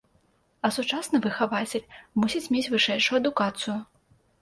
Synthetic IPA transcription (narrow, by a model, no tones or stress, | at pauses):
ɐsut͡ʂasnɨvɨxavat͡sʲelʲmusʲit͡sʲmʲet͡sʲvɨʂɛjʂujʊɐd̪ukat̪sɨjʊ